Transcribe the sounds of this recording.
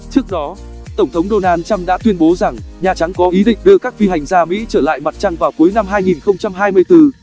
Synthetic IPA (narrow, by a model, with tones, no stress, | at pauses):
t͡ɕɨ˦˥ək̚ɗɔ˨˦ | t̪ə˧˩ŋ͡mt̪ʰə˨˦wŋ͡mɗo˧naː˧nt͡ɕa˧mɗa̰ː˧˥t̪wi˧ənɓo˨˦za˨˩ŋɲaː˨˩t͡ɕa˨˦ŋkɔ˨˦ʔi˨˦ɗḭ̈˧˨ŋ̟ɗɨ˧əkaː˦˥k̚fi˧ɦa˨˩jŋ̟zaː˧mḭ˧˥t͡ɕəː˧˩la̰ː˧˨jma˨˩t̚t͡ɕa˧ŋvaː˨˩wku˨˦jna˧mɦaː˧jŋi˨˩nxə˧wŋ͡mt͡ɕa˧mɦaː˧jmɨ˧əjt̪ɨ˧